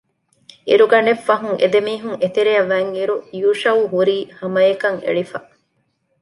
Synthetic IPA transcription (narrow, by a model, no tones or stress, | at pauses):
iɾuɡɐnefːɐɦuŋʔḛd̪emiːɦuŋʔet̪eɾejɐʋːæːŋiɾujuːʃɐwuɦuɾiːhɐmɐjekɐŋḛɭifɐ